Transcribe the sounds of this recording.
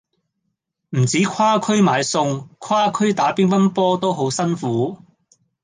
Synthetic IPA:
m̩˨˩t͡siː˨˥kʰwaː˥kʰɵ˥ɥmaː˨˧jsʊ˧ŋkʰwaː˥kʰɵ˥ɥt̪aː˨˥piː˥npɐ˥npɔː˥t̪o˥wɦo˨˥wsɐ˥nfuː˨˥

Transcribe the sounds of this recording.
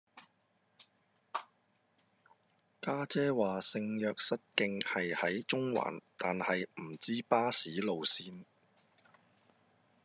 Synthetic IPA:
kaː˥t͡sɛː˥waː˨sɪ˧ŋjœː˨˧k̚sɐ˥t̚kɪ˧ŋhɐ˨jhɐ˨˥jt͡ʃʊ˥ŋwa̰ː˨˩nt̪aː˨nhɐ˨jm̩˨˩t͡siː˥paː˥siː˨˥lo˨wsiː˥n

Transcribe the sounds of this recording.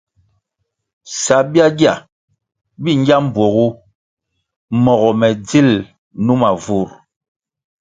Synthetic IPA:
sa˨bja˦ɡja̰˨ | bi˦ŋ˦ɡja˦m̩˦˨bwo˨ɣu˦ | mɔ˨ɣɔ˨mɛ˨d͡zi˦˨l | nu˦ma˨vu˨ɾ

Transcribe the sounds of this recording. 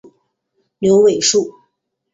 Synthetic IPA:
njo˧˥ʊwe˨˩ɪʂu˥˩

